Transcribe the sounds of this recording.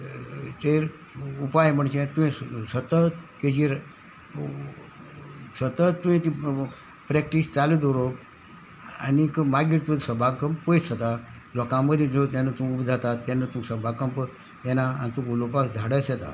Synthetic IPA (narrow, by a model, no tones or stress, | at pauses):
teɾ | upajm̤əɳt͡ɕẽt̪uĩsət̪ət̪ked͡ʑiɾ | sət̪ət̪ːũĩt̪i | pɾɛk̚ʈist͡salid̪oɾo | a̰nikəmaɡiɾt̪ud̪səbʱakəmppəsət̪a | lɔkãməd̪ʱĩd͡zot̪anːət̪ũupd͡zʱat̪at̪ːanːət̪ũsəbʱakəmp | jɛnaanit̪uulopakd̪ʱaɽəsɛt̪a̰